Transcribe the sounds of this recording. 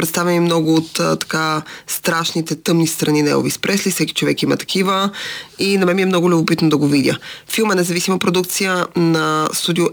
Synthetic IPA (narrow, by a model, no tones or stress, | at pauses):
pɾɛt̪st̪avʲɛnimnɔɡʊot̪t̪ɐ̥kast̪ɾaʃnit̪ɛt̪ɤmnist̪ɾɐninɛ̰ɡo̰vḭspɾɛslifsɛki̥t͡ʃovɛkimɐ̰t̪ɐ̥kivəinɐmɛmiɛmnɔɡʊlʲobopit̪nod̪ɐɡovid̪ʲə̰filˠmɛnɛzɐvisimɐpɾod̪uk̚t̪sijənɐst̪ud̪iʊ